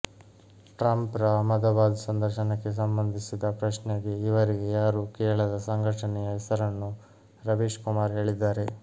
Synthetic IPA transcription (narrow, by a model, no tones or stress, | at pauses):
ʈɾɐmpɾɐmɐd̪ɐbaːd̪sɐnd̪ɐɾʃɐnɐkːe̞s̬ɐmbɐnd̪ʱisid̪ɐpɾɐʃneɡe̞iʋɐɾiɡe̞jaːɾukɛːɾɐɭɐd̪ɐsɐŋɡʱɐʈɐnɛjɐɦɛsɐɾɐnːu | ɾɐʋiːʃkumaːɾɦe̞ːɭid̪ːaːɾe̞